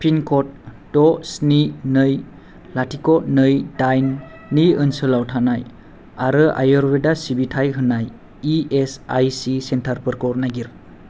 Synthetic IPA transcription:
pʰinkʰɔt̚ː | ɔsninɯj | latʰikɔt̚nɯjdajnː | ijɯnsɯlawtʰanaj | aɾɯʔa̰jɔɾbedasibitʰajɦɯnːajː | esajsisentʰaɾpɯɾkɔɾnaɡiɾ

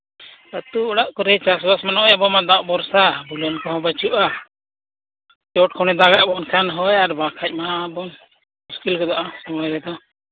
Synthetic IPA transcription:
ət̪uɔɽaʔkɔɾɛjt͡ʃasbasmanɔʔɔjabɔmad̪awʔbɔɾsabulɔnkɔɦɔ̃bət͡ʃuʔa | t͡ʃɔʈ̚kʰɔɽ̃ɛd̪aɡaʔbɔnkʰanɦɔjaɾbakʰac̚ˀmabɔn | muskilkɔd̪aʔasɔmɔɾɛd̪ɔ

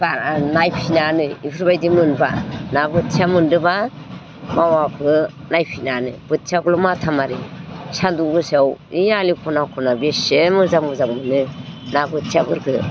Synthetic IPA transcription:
banajpʰinanɯipʰɯɾbajdimɯnbanabɯt̚t͡ʃamɯndɯba | mawakʰɯ | najpʰinanɯb̥ɯt̚sʰaɡlɔmatʰamaɾisaduɡɯsawialikʰɔnakʰɔnabesemɯzamɯzaŋmɯnɯnabɯt̚sʰabɯɾkʰɯ

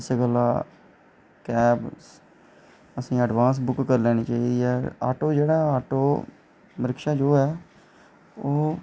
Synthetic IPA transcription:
ɪseɡəlaː | kɛːbs | əsĩːəɖʋãːns̬bʊkːəɾlɛːñiːt͡ʃaːiːd̪iːɛːa̰ːʈoːd͡ʒeːɽaːaːʈoː | məɾəkʃaːd͡ʒoːɛː | oː

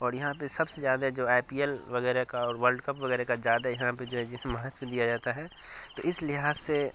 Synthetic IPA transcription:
ɔːɾjɐɦãpesɐbsezjaːd̪aɦd͡ʒoːaːpiːɛlʋɐɣɛːɾekaɔːɾʋəɾɖkɐpʋɐɣɛːɾekazjaːd̪ajɐɦãped͡ʒoːɦɛd͡ʒɪẽmɐɦət̪wəd̪ijad͡ʒaːt̪aɦɛ | t̪oːʔɪslɪɦaːzse

